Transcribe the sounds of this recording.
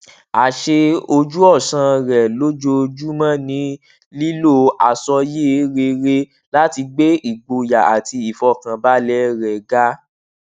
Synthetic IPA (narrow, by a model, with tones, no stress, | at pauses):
a˨ʃe˧o˧d͡ʒu˦ɔ˦˨sã˧ɾɛ˨lo˦d͡ʒo˧d͡ʒu˦mã˦nĩ˨˦ | li˦lo˦˨a˨sɔ˧je˦ɾe˧ɾe˧ | la˦ti˧ɡ͡be˦i˨ɡ͡bo˧ja˨a˨ti˧i˨fɔ˧kã˨ba˦lɛ˦ɾɛ˨ɡa˦